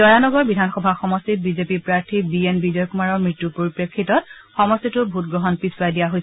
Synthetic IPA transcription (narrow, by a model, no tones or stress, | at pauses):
ɔjanɔɡɔɹbidʱanxɔbʱaxɔmɔstit̚bizepiɹpɹaɹtʰibienbizɔjkumaɹɔɹmɹitːupoɹipɹekʰːitɔtxɔmɔstitʊbʱut̚ɡɹɔɦɔnpiswajdijaɦoj